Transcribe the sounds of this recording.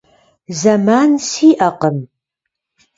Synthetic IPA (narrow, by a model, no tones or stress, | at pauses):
zɐmaːnsiːʔɐqəm